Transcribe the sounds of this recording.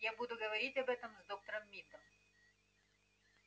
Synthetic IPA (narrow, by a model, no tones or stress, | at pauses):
jabud̪ʊɡɐʋɐɾʲitʲɐbɛt̪əmzd̪ok̚t̪əɾəmːʲid̪əm